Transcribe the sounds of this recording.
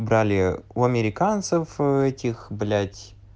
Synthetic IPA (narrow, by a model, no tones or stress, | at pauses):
bɾalʲɪʊɐmʲɪɾʲɪkant̪sɨfɛtʲɪxblʲætʲ